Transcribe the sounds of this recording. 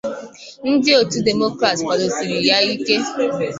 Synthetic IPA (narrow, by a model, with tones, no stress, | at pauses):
n̩˦dɪ˦o˨tu˦de˨mo˦kɾa˨tkʷa˨ɾo˨si˨ɾi˨ja˦i˦ke˦